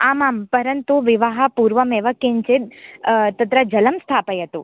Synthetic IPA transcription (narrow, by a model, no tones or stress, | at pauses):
amampəɾənt̪uʋɪʋaɦapuɾʋəmeʋəkːeɲt͡ʃe | t̪ət̪ɾəd͡ʒələmst̪ʰapəjɦət̪ũ